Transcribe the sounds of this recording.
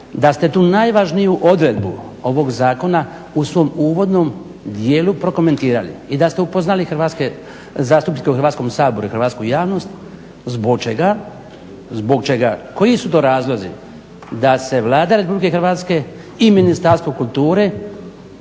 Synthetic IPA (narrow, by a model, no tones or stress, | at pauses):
d̪ast̪e̞t̪uːnajʋaʒnijuʔo̞d̪ɾe̞d̪bṵo̞ʋo̞ɡzaːko̞na | usʋo̞muːʋo̞d̪no̞m | d̪jeːlupɾo̞ko̞me̞nt̪iːɾalḭid̪ast̪e̞upo̞znalixɾ̩ʋaːt̪ske | zaːst̪upnikeuxr̩ɾʋat̪sko̞msaːbo̞ɾuixɾʋaːt̪skujaːʋno̞st̪ | zboɡ̚t͡ʃeɡa | zbo̞ɡt͡ʃe̞ɡako̞jisut̪̬o̞ːɾaːzlˠo̞zḭ | d̪ase̞ʋlˠaːd̪aɾe̞publike̞xɾʋat̪ske̞ | iminist̪aɾst̪ʋokulˠt̪uːɾe